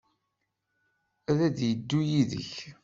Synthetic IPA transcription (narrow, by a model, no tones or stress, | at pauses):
æðæðjəd̪ːujiðə̰ç